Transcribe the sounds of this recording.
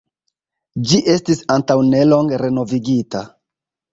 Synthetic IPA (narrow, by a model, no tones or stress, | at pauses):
d͡ʒiʔe̞stisantawne̞lo̞ŋɡeɾe̞no̞viɡita̰